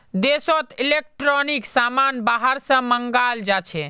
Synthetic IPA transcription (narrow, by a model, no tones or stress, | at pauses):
d̪esot̪ilek̚ʈɾɔniksamanbaɦəɾsə̃məŋɡald͡ʒat͡ʃʰɛ